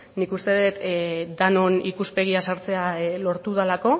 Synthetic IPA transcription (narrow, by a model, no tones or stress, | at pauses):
nikust̪e̞ðet̪d̪anonikuspe̞ɣ̞iasaɾt͡se̞alo̞ɾt̪uðalako̞